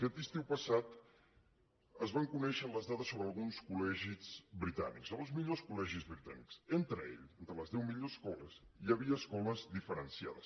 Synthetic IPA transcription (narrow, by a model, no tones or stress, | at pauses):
kɛt̪ist̪iwpəsat̪ | əzβaŋkunɛʃənləzðaðəsːoβɾəːlˠɣunskulɛʒizbɾit̪a̰niksəɣõzmiʎoskulɛʒizβɾit̪a̰niksent̪ɾəḛʎent̪ɾələzðɛwmiʎoskɔləz | ijəβiəːskɔləzd̪ifəɾənsia̰ðə̰s